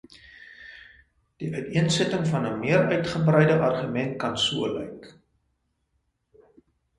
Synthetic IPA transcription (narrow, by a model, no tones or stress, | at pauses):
d̥iʔœɥtiənsətəŋfɐnəmiəɾœɥtχəbrɛjdəʔɐrχymɛnt̚kɐnsuəlɛ̰jk